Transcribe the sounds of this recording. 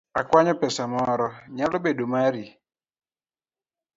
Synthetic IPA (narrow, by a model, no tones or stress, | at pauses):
akʷaɲʊpɛsamɔɾɔɲalʊbedomaɾi